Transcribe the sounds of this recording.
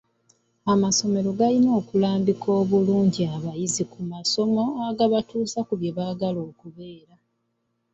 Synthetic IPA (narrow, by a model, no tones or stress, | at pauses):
amaso̞me̞ɾo̞ɡalino̞ːkulaːmbikʰoːβuluːɲɟiaβajizikumaso̞mo̞aɡaβatuːsakuβjeβaɡalo̞ːkuβe̞ːɾa